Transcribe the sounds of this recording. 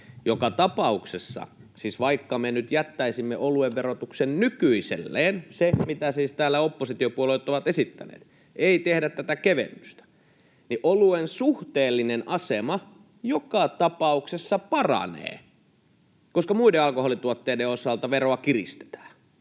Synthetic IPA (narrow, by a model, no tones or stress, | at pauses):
jokɑt̪ɑpɑuksesːɑ̰ | siːsʋɑikːɑmenyt̪jæt̪ːæisimːeʔolueʋʋerot̪uksennykyisḛlːeːnsemit̪æsiːst̪æːlːˑæopːosit̪iopuolelːt̪ːoʋɑt̪esit̪ːæ̰nḛːt̪ | eit̪ehdæt̪t̪æt̪ækeʋḛmːyst̪æ̥ | niʔoluensuht̪eːlːinenʔɑsemɑ | jokɑt̪ɑpɑuksesːɑpɑrɑ̰nḛː | koskɑmuideɑlkoholit̪uot̪ːeːdeosɑlt̪ɑʋeroɑkirist̪e̥t̪æ̥ː